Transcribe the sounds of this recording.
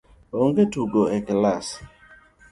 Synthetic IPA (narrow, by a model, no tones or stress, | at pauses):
oŋɡetuɡoɛklas